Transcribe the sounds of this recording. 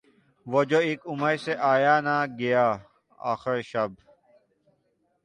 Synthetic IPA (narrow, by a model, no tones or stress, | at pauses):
ʋoːd͡ʒoːeːkʊməjseːʔaːjaːnaːɡɪjaː | a̰ːxɪɾʃɐb